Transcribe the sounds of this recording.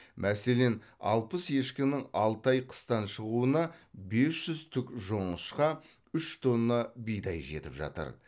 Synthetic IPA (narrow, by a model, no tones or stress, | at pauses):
mʔæse̞le̞nɑ̰lˠpəsje̞ʃkʲɪnɪŋɑlˠt̪ɑjqʰə̥st̪ɑnʃəʁuənɑbe̞sʒ̥ʏzt̪ʰʏkʒo̞ɴəʃqɑ | ʏʃt̪ʰo̞nːɑbijd̪ɑjʒe̞̰t̪ɪpʒɑ̰t̪ə̰ɾ